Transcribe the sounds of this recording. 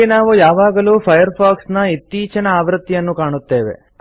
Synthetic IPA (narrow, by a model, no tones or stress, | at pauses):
enaːʋujaːʋaːɡɐluːpʰɐjɐɾpʰaːksnɐit̪ːiːt͡ʃɐnɐaːʋɾɐt̪ːijɐnːukaːɳut̪ːe̞ːʋḛ